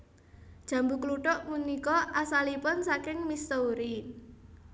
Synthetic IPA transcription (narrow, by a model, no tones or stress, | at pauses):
d̥ʒ̥ä̤mbukluʈʊʔmunikɔasalipʊnsakɪŋmist̪ouɾi